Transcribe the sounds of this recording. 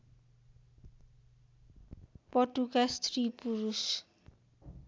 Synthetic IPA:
pʌʈukast̪ripuɾus

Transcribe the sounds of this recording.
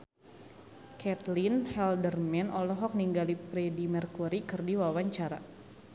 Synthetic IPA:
kɛt̪linhɛldərmɛnʔɔlɔɦɔk̚niŋɡalipɾɛdimərkuɾikɨrdiwawaɲt͡ʃaɾa̰

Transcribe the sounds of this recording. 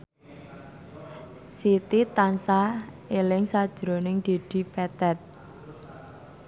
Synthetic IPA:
sit̪it̪ansaelɪŋsad̥ʒ̥ɾonɪŋd̪̥e̤d̪̥i̤pɛt̪ɛt̪̚

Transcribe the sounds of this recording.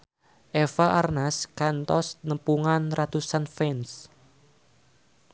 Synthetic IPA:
ʔefaʔarnaskant̪ɔsnəpuŋanrat̪usanfɛns

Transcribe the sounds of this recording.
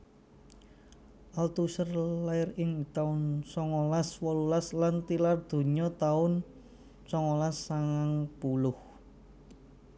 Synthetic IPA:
ʔalt̪usərlaɪrɪŋt̪aʊnsɔŋɔlaswɔlulaslant̪ilard̪̥o̤ɲɔt̪aʊn | sɔŋɔlasːaŋaŋpulʊh

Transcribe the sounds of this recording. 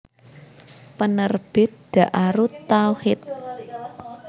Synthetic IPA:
pənərb̥ɪ̤t̪̚d̪̥ä̤ʔaɾut̪awhɪt̪̚

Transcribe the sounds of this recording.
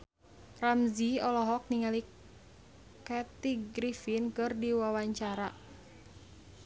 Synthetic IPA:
ramziɔlɔɦɔk̚niŋali | kɛt̪iɡɾifinkɨrdiwawaɲt͡ʃaɾa

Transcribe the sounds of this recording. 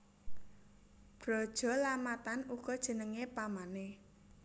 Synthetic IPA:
b̥ɾɔ̤d̥ʒ̥ɔ̤lamat̪anukɔd̥ʒ̥ə̤nəŋepamane

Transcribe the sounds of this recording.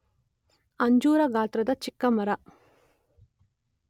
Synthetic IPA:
ɐɲd͡ʒuːɾɐɡaːt̪ɾɐd̪ɐt͡ʃikːɐmɐɾɐ

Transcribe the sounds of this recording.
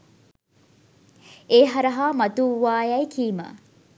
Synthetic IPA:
eːɦɐɾɐɦaːmɐt̪uwaːjɐjkʰiːmə̰

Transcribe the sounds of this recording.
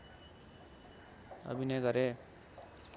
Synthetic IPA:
ʌ̰bʱinʌjɡʌɾe

